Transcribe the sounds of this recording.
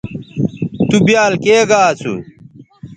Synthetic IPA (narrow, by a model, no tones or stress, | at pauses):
t̪ubjaːlkeːɡaːt͡sʰṵ